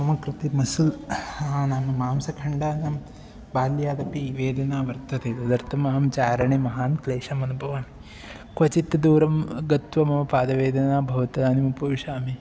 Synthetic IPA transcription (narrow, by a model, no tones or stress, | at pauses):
ɐmɐkɾut̪imɐsulaːnamɐmaːmsɐkʰɐɳɖaːnɐm | baːljaːd̪ɐpiʋeːd̪ʱɐnaːʋɐɾt̪ɐt̪ed̪ɐd̪ɐɾt̪ʰɐmɐːɦɐmt͡ʃaːɾɐɳimɐɦaːnkleːʂɐmɐnubʱɐʋaːni | kʋɐt͡ʃit̪ːɐd̪uːɾɐmɡɐt̪ʋɐmɐʋɐpaːd̪ɐʋeːd̪ʱɐnaːbʱɐʋɐt̪ɐd̪aːnimupɐʋiʃaːmi